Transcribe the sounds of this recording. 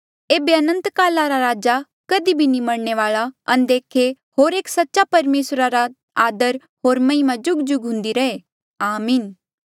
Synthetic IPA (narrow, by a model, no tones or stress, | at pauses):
eːbeɐnə̃nt̪kaːlaɾaɾaːd͡ʒa | kɐd̪ibʱinĩmɐɽɳeʋaːɭaɐnd̪eːkʰe | hoːɾeːksɐtːʃapɐɾmeːsɾaɾa | aːd̪əɾ | ɦoːɾmɐ̃ĩmãd͡ʒʊɡd͡ʒʊɡɦʊ̃nd̪iɾɐe | aːmiːn